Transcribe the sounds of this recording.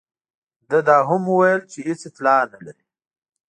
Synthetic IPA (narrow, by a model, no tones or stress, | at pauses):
d̪əd̪ɑːɦʊmuwajəlt͡ʃeɦɪt͡seflɑnalaɾi